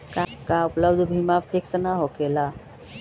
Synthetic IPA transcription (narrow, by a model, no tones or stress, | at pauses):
kakaupləbd̪ʱbʱimafʰeksnaɦokela